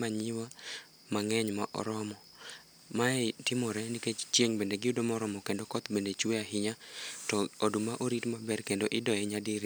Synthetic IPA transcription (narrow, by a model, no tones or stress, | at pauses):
maɲiwa | maŋɛɲmaʔɔ̰ɾɔmɔ | maɛtɪmɔɾɛniket͡ʃt͡ʃjeŋbendeɡɪʊdomɔɾɔmɔkendokɔt̪bendet͡ʃweaɦɪɲatɔodumaʔoɾitmabɛrkendoʔɪdɔɛɲadiɾ